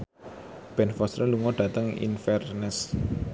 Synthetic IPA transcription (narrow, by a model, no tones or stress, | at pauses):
b̥ɛnfɔst̪ɾəluŋɔɖ̥ä̤t̪əŋḭnfɛrnəs